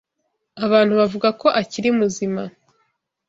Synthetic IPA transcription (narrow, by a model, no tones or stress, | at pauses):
aβaːn̥huβavuɡako̞ʔaciɾiumuzima